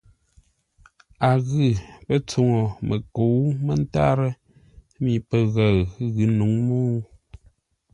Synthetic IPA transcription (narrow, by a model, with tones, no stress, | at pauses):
a˨ɣɨ˦˨pə˦t͡so˨ŋo˨mə˨ko˨˦wmə˦n˦ta̰˦ɾə˦ | mi˨pə˨ɣa˨ɰɣɨ˨˦nu˨˦ŋmo˦